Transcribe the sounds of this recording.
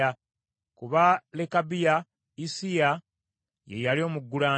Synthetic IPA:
a | kuβalekabija | isija | je̞jalio̞ːmuɡːulaː

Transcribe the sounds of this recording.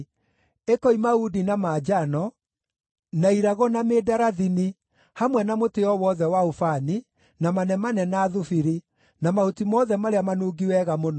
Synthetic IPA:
ekɔimaudinamaːd͡ʒanɔ | naiɾaɣɔnameːdaɾaðini | hamwɛnamoteɔwɔðɛwaofani | namanɛmanɛnaːðufiɾi | namautimɔðɛmaɾeamanuːɡiwɛɣamonɔ

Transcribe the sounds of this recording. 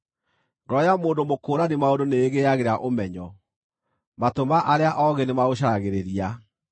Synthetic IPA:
ɡɔjamoːndomokoːɾanimaondoneːɣeaɣeɾaʔomɛɲɔ | matomaʔaɾeaʔɔɣenemaoɕ̬aɾaɣeɾeɾia

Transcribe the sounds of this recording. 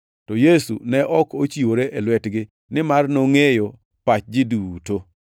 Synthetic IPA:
tɔjesṵnɛʔɔkot͡ʃiwoɾeʔelwɛtɡɪ | nɪmarnoŋejo | pat͡ʃd͡ʒɪduto

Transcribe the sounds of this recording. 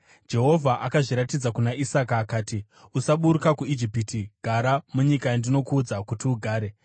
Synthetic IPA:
d͡ʒe̞ɦo̞vʱaʔakaʐiɾatid͡zakunaʔisakaːkaːti | usaɓuɾukakuid͡ʒipitiɡ̥ʱaɾamuɲikajandino̞kuːd͡zakutiuɡʱaːɾe̞

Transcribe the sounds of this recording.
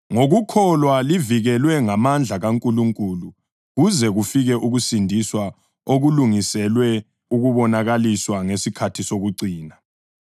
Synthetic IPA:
ŋoɣukʰɔlwaliviɣɛlwɛŋamand͡ɮʱaɣaŋkʼuluŋkʼulu | ɣuzɛɣufiɣɛʔuɣusindʱiswa | oɣuluŋisɛlwɛ | uɣuβɔnaɣaliswaŋesikʰatʰisoɣuǀiːna

